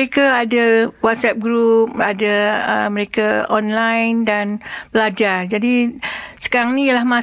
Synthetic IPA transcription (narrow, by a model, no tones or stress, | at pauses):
ekaadawat̪̚sɛp̚ɡɾup̚adaəməɾekaɔnlajndanbəlad͡ʒard͡ʒadisə̥kaɾaŋnĩjalahmã